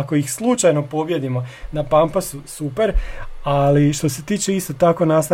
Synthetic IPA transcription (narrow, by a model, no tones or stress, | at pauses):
koixslˠut͡ʃajno̞po̞bje̞d̪imo̞napampasusupeɾaliʃt̪o̞se̞t̪iːt͡ʃeist̪o̞t̪ako̞nast̪